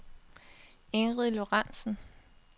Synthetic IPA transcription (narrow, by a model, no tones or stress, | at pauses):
eŋʁiðˠlo̝ʁɑn̰sn̩